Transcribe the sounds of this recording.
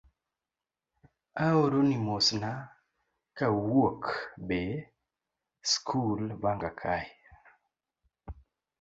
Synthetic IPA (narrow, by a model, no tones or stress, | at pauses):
aoɾonimosna | kawuokbe | skʰulbaŋɡakʰaj